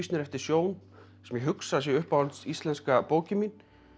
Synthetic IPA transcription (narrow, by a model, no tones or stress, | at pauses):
snɪɾɛft̪ɪɾ̥sjoːwn | sɛmjɛɦʏksaðsjɛʏhpawlt̪sist̪lɛnskapoːwcʏmin